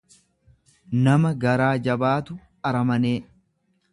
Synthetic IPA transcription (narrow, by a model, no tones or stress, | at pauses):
nɐmɐɡɐɾaːd͡ʒɐbaːt̪ʊ | ɐɾɐmɐneː